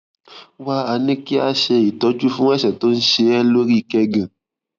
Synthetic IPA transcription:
wa˦˧a˧nĩ˦ki˦a˧ʃe˧i˨tɔ˨˦d͡ʒu˦fũ˦ɛ˦ʃɛ˨to˦n̩˦ʃe˧ɛ˦lo˦ɾi˦˧˨kɛ˧ɡã˨

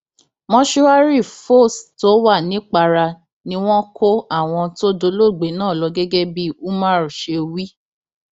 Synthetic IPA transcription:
mɔ̃˦ʃu˦a˦ɾi˦˨fo˦˨sto˨˦wa˦˨nĩ˨˦k͡pa˧ɾa˧ | nĩ˧˦w̃ɔ̃˦ko˦a˦˨w̃ɔ̃˧to˦do˧lo˦˨ɡ͡be˨˦nãː˦˨lɔ˨˧ɡɛ˦ɡɛ˦bi˦u˦mã˦˨ɾu˨ʃe˧wi˦

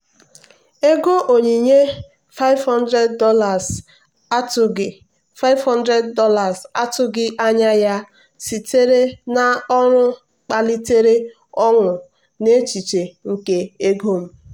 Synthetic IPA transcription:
e˦ɡo˦ʔo˨ɲe˨ɲe˦ | fa˦ɪ˦vhɔ˦ndɾe˦dːɔ˦la˨z | a˦tʊ˨ɡɪ˨ | fa˦ɪ˦vhɔ˦ndɾe˦dːɔ˦la˨sa˦tʊ˦ɡɪ˦ʔa˦ɲa˦ja˦ | si˨te˦ɾe˦na˦ɔ˦ɾʊ˦ | k͡pa˨li˦te˦ɾe˦ | ɔ˦ŋʊ˨ | ne˦t͡ʃi˨t͡ʃe˨ŋ̩˨ke˨e˦ɡo˦m̩˦

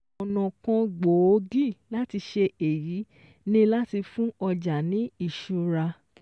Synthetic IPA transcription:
ɔ˨nɔ̃˨kɔ̃˧ɡ͡bo˨o˦ɡi˦˨la˦ti˧ʃe˧e˨ji˨˦ | nĩ˦la˦ti˧fũ˦ɔ˧d͡ʒa˨nĩ˨˦i˦˨ʃu˧ɾa˧

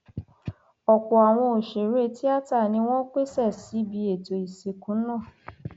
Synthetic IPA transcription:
ɔ˨kɔ˨a˨w̃ɔ̃˧o˨ʃe˨ɾe˦ti˦a˦ta˦˨nĩ˧w̃ɔ̃˦k͡pe˦˨sɛ˦˨si˨˦bi˧˦e˨to˧i˨se˨kũ˨˦nãː˦˨

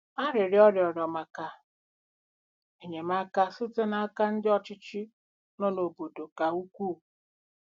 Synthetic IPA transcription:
a˦ɾɪ˨ɾɪ˦ɔ˦ɾjɔ˨ɾjɔ˨ma˨ka˨ | e˨ɲe˨ma˦ka˦sʊ˦te˦na˦a˦ka˦n̩˦dɪ˦ɔ˨t͡ʃɪ˦t͡ʃɪ˦ | no˦no˨bo˨do˨ka˨u˦kʷuː˦˨

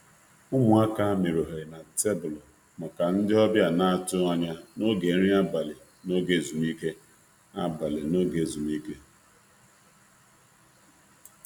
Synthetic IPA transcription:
ʊ˦mʊ˨a˦ka˦me˨ɾo˨ɦe˨na˨te˦bʊ˨lɔ˨ | ma˨ka˨n̩˦dɪ˦ɔ˦bja˦˨na˦a˦˨tʊ˦a˦ɲa˦no˦ɡe˨˦ɾi˦a˦ba˨lɪ˨ | no˦ɡe˦˨zu˨mi˦ke˦ | a˦ba˨lɪ˨no˦ɡe˨zu˨mi˦ke˦

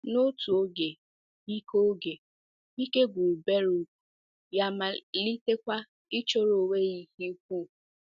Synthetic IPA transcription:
no˦tu˨o˦ɡe˨ | i˦ko˦ɡe˨ | i˦ke˦ɡʷu˨be˦ɾu˨u˨ | ja˨ma˨li˦te˦kʷa˦ | i˦t͡ʃo˦ɾo˨we˦i˦hi˦kʷu˦˨

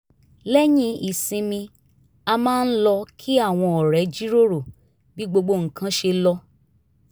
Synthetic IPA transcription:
lɛ˦j̃ĩ˦i˨sĩ˧mĩ˧ | a˧mãː˦n̩˦lɔ˧kʰi˦a˦˨w̃ɔ̃˧ɔ˨ɾɛ˨˦d͡ʒi˦ɾo˦ɾo˨ | bi˦ɡ͡bo˧ɡ͡bo˧ŋ̩˨kʰã˦ʃe˧lɔ˧

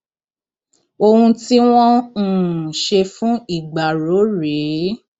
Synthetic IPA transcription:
o˧hũ˧ti˦w̃ɔ̃˦˨ | ʃe˧fũ˦i˨ɡ͡ba˨ɾo˨˦ɾe˨˦

